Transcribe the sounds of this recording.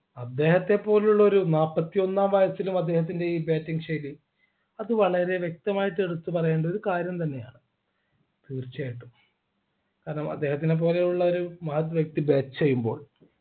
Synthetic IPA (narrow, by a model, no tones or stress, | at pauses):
ɐd̪ːe̞ːhɐt̪ːe̞pːo̞ːlejuɭːɐo̞ɾunaːpːɐt̪ːijo̞nːaːmʋɐjɐsilumɐd̪ːe̞ːhɐt̪̬ːinde̞iːbeːtːiŋɡɕɐjɾi | ɐðɨʋɐɭɐɾe̞ʋjek̚t̪ɐmaːjiʈːɨe̞ɽut̪ːupɐrɐjeːɳɖɐo̞ɾukaːɾjɐmt̪ɐnːe̞ja̰ːɳɨ | t̪iːrt͡ɕːiaːjiʈːu | kaːɾɐɳɐmɐ̰d̪ːe̞ːɦhɐt̪ːine̞p̬ːo̞ːle̞juɭːɐo̞ɾumɐɦɐt̪ːʋjɐk̚t̪ibeːt͡ɕejːumbo̞ːɭ